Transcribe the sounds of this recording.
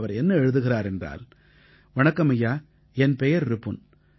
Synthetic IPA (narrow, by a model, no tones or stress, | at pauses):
ʋɐɾɛnːɐɛɻɯðɯɣɪraːɾɛndra̰ːl | ʋɐɳɐkːɐmɐjːaː | ɛnpɛjɐɾɾɯpːɯn